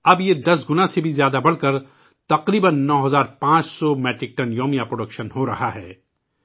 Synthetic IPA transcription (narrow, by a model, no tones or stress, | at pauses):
ɐbjed̪ɐs̬ɡʊnãsebʱizjaːd̪abɐɽkɐɾ | t̪ɐqɾiːbənːɔːɦɐzaːɾpãːt͡ʃsɔmɛːʈɾɪk̚ʈɐnjoːmijapɾoːɖɐkʃənɦoɾɐɦaɦɛː